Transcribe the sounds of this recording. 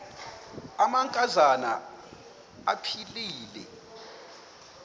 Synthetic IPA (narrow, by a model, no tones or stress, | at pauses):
amaŋkʼazana̰ | a̰pʰiliːlɛ̰